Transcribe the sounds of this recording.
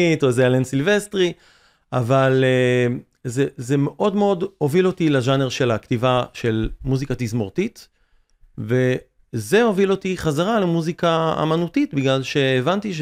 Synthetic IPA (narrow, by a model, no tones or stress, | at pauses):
tozealensilvestʁi | avale | zezemeʔo̞dmeo̞do̞vilo̞tileʒaneʁʃelaktivaʃe̞lmuzikatizmo̞ʁtit̪ | ve̞ | ze̞o̞vilo̞tiχazaʁalemuzikaa̰manutitbiɡlalʃe̞ːvantiʃ